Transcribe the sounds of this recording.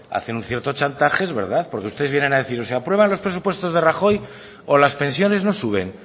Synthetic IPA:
a̰θenunθje̞ɾt̪o̞t͡ʃant̪axe̞zβe̞ɾð̞aθpo̞ɾkeust̪eeβjenenaðe̞θiɾoseapɾwe̞β̞anlo̞spɾe̞supwe̞st̪o̞zðe̞raxo̞j | olaspẽ̞nsjo̞ne̞zno̞suβe̞̰n

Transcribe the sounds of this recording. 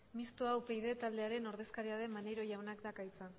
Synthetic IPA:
mist̪oawpejðe̞t̪ald̪e̞aɾe̞no̞ɾðe̞skaɾiaðe̞mːane̞ɾo̞ʝawnakd̪akajt͡sa

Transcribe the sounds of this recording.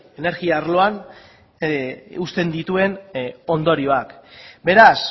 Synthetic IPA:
ene̞ɾɣiaaːɾlo̞an | ust̪e̞nd̪it̪ue̞no̞nd̪o̞ɾioakbe̞ɾas

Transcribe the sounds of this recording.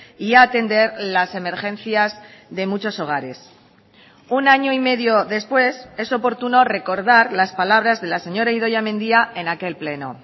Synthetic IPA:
iaːt̪e̞nd̪e̞ɾlase̞me̞ɾxẽ̞nθjazðe̞mut͡ʃo̞so̞ɣ̞aɾe̞s | unaɲo̞ime̞ðjo̞ðe̞spwe̞se̞so̞po̞ɾt̪uno̞re̞ko̞ɾðaɾlaspalaβ̞ɾazðe̞lase̞ɲo̞ɾaiðo̞ʝamẽnd̪iae̞nake̞lple̞no̞̰

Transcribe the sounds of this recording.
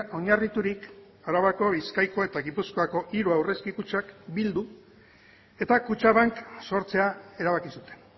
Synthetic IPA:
ʔo̞ɲarit̪uɾik | aɾaβako̞βiskajko̞e̞t̪aɣipusko̞ako̞ʔiɾuawre̞skikut͡ʃakbild̪u | e̞t̪akut͡ʃaβaŋkso̞ɾt͡se̞ae̞ɾaβ̞akisut̪e̥n

